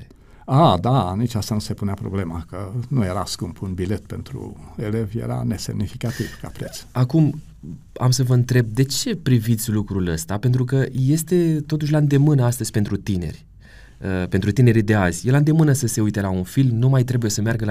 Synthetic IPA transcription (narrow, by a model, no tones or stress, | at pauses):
ad̪anit͡ʃast̪anuse̞puneapɾo̰ble̞makənuje̞ɾaskumpʰunbile̞t̪pe̞nt̪ɾṵe̞le̞vjḛɾa̰ne̞se̞̰mnifikat̪ivka̰pɾet̪sakum | a̰msəvəɨnt̪ɾe̞b̚d̪e̞t͡ʃe̞pɾivit̪sʲlukɾuləst̪ape̞nt̪̬ɾuk̬əje̞st̪e̞t̪ot̪uʃ̬ʲlaɨnd̪e̞mɨnəast̪əz̥ʲpe̞nt̪ɾut̪ine̞̰rʲ | əpent̪ɾut̪ine̞ɾid̪e̞azʲjeland̪e̞mɨnəsəse̞ujt̪e̞launfilmnumajt̪ɾe̞buje̞səmearɡəl